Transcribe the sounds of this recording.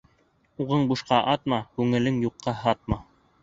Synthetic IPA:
uʁɤɴbuʃqɑʔɑt̪mɑkʉŋɘ̆lɘŋjuqːɑɦɑt̪̚mɑ

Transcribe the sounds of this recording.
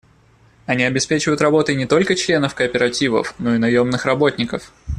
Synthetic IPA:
ɐnʲiɐbʲɪspʲet͡ɕɪvəjʊt̪rɐbo̞t̪əjnʲɪt̪o̞lʲkət͡ɕlʲe̞nəfkəːpʲɪɾɐtʲivə̰fno̞ɪnɐjo̞mnɨxrɐbo̞t̪ʲnʲɪkəf

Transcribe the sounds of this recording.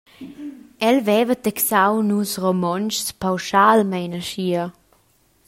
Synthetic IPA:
ɛlvɛvət̪ɛksawnusromɔnt͡ʃspawʃalmɛjnaʃiə

